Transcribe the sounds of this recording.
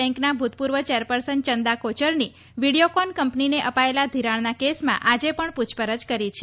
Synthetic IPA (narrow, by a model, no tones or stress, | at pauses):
ɛ̃ŋknabʱut̪̚puɾʋət͡ʃeɾpəɾsənt͡ʃənd̪akot͡ʃəɾni | ʋiɽiokɔnkəmpnineʔəpaelad̪ʱiɾãɭnakesmã̰ʔad͡ʒepəɳpud͡ʒʰpəɾəd͡ʒkəɾit͡ʃʰe